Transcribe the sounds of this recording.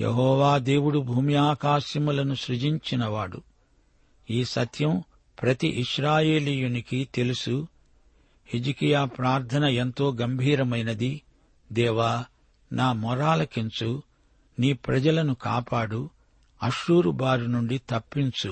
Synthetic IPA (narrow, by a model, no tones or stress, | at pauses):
jḛɦɔːʋaːd̪e̞ːwuɽubʱuːmijaːkaːʃjɐmulɐnuʃɾud͡ʒiɲt͡ʃinɐʋaːɽṵ | iːsɐt̪jɐm | pɾɐt̪iʔiʃɾaːje̞ːliːjunikit̪e̞lusu | hid͡ʒikijaːpɾaːɾt̪ʰɐnɐent̪o̞ːɡɐmbʱiːɾɐmɐjnɐd̪i | d̪ɛːʋaː | naːmɔɾaːlɐkiɲt͡ʃu | niːpɾɐd͡ʒɐlɐnuka̰ːpaːɽu | ɐʃuːɾubaːɾunuɳɖit̪ɐpːiɲt͡ʃu